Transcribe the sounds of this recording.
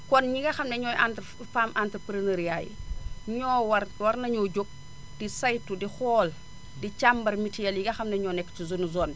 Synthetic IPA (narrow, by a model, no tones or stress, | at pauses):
kɔnɲiɡɐxɐmnɛɲɔjʔant | famʔantəpɾineɾijaːjɲɔːwɐwɐɾnɐɲoːɟok̚ | d̥isajtːudixɔːl | dit͡ʃambɐrmitijɐljiɡɐxɐmnɛɲɔːnɛkːt͡ʃizunuzɔːn